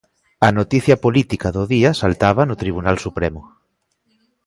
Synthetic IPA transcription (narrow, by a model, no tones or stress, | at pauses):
ɐnot̪iθjɐpolit̪ikaðoðiasalt̪aβ̞anot̪ɾiβ̞unalsupɾemʊ